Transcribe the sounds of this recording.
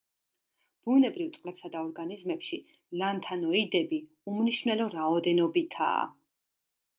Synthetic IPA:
b̥unɛbɾift̪sqʼlɛpsad̪aɔɾɡanizmɛpʃi | lant̪ʰanɔid̪ɛbi | umniʃmnɛlɔɾaɔd̪ɛnɔbit̪ʰa̰ː

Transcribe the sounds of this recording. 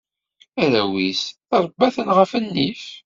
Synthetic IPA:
æɾæwis | ɑɾˤbːæθənʁəfənːif

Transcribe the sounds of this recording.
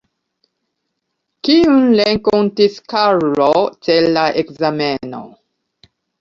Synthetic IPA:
kiunleŋkontiskaɾlotelːaʔekzameno̰

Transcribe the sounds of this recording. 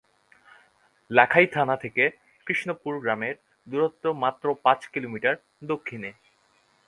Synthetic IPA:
lɛkʰajt̪ʰanat̪ʰeke | kɾiʃnopuɾɡɾameɾ | d̪uɾot̪ːomat̪ːɾopãt͡ɕkilomiʈaɾ | d̪okʰːine

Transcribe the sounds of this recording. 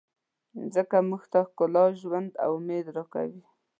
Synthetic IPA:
zəkamuxt̪axkʊlɑʒwand̪a̰wʊmed̪ɾɑka̰wi

